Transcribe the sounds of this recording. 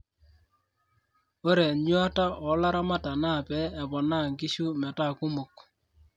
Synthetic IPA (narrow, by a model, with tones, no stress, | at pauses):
o˦ɾɛ˨ɲwa˦ta˦ʔɔ˨˦la˦ɾa˦ma˦ta˨na˦˨pɛ˨˦ɛ˨bɔ˨na˦˨ŋɡi˦ʃu˦mɛ˨ta˦˨ku˦mʊ˨k